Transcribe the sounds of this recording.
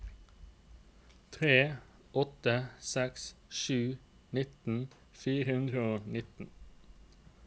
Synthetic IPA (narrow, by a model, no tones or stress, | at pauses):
t̪ʰʁeː | ʔɔt̪əsɛksʃʉː | nɪt̪n̩ | fiːʁəʉnd̪ʁəoːnɪt̪n̩